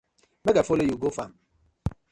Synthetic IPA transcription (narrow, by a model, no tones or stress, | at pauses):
mɛɡafolejuɡofam